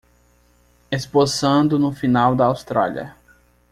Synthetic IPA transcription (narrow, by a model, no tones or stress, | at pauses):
esposɐ̃d̪ʊnʊfinawd̪ɐawst̪ɾa̰lʲɐ̰